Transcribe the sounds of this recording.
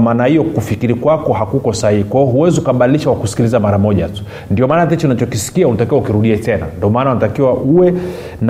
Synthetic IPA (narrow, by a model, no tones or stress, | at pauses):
maːnahijɔkufikiɾikwakɔhakukɔsahihikwahiɔɦuwɛziukaɓaɗiliʃawakusi̥kilizamaɾamɔʄatu̥ | ndiɔmaːnatɛt͡ʃunat͡ʃɔkisi̥kiaunatakiwaukiɾuɗiatɛna̰ndiɔmaːnaunatakiwaʔuwɛ | n